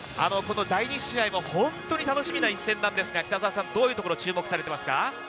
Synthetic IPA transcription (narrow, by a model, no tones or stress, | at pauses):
a̰no̞ko̞no̞d̪aiɲ̟iɕiaimo̞hõ̞nt̪o̞ɲ̟it̪ano̞ɕimʲinaisːẽ̞nːãnd̪e̞sɨɡakʲi̥t̪azaːsãnd̪o̞ːjɯt̪okoɾo̞t͡ɕɨːmo̞kɯ̟̥saɾe̞t̪emasɨ̥ka̰